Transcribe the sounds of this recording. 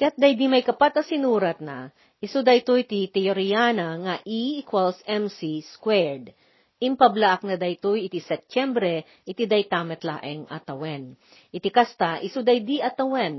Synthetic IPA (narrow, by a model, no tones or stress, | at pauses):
kɐjat̪̚d̪ajd̪imɐjkɐpat̪ɐsɪnuːɾɐt̪̚nɐ | ʔɪsud̪ɐjt̪ojt̪it̪ɛjoɾijaːnɐŋɐʔiʔikwalsɛmsiskwɛɹd̪ | ʔɪmpɐblaʔɐk̚nɐd̪ɐjt̪ojɪt̪isɛp̚t͡ʃɛmbɾɛ | ʔɪt̪id̪ɐjt̪amɛt̪la̰ːʔɛŋɐt̪ɐwɛn | ʔɪt̪ikast̪ɐʔɪsud̪ɐjd̪iʔɐt̪ɐwɛn